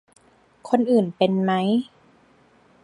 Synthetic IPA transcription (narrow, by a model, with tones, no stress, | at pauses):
kʰo˧nʔɯː˨˩npe˧nma˦˥j